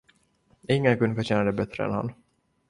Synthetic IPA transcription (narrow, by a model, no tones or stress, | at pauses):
ɪŋːənkɵnəfœɕɛːnad̪ɛbɛt̪ːɾə̰ɛ̰nha̰n